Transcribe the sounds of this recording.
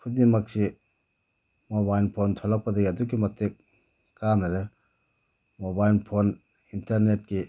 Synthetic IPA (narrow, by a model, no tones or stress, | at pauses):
pʰudimak̚si | mobajlpʰontʰɔlak̚padaɡiɐduk̬imɐtːek̚ː | anaɾe | mobajlpʰon | intaɾnet̚ki